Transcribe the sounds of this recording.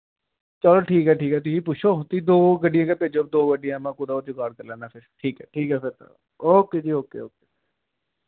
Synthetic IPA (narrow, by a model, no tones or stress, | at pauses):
t͡ʃəloːʈʰiːkɦɛːʈʰiːkɦɛːt̪ʊsĩːp̬ʊt͡ʃʃʰoːt̪id̪oːɡəɖɪjãːkeːpeːd͡ʒoːb̚d̪oːɡəɖɪjãːmãːkʊd̪aot̪okaːɖkəɾlɛːnaːpʰɪɾʈʰiːkɛːʈʰiːkɛːpʰɪɾt̪ː | oːkeːd͡ʒiːoːkḛːoːkeː